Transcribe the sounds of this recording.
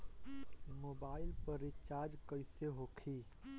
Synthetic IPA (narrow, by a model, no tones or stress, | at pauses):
moːbaːɪlpəɾɪt͡ʃaːɾd͡ʒkəɪseɦoːkʰiː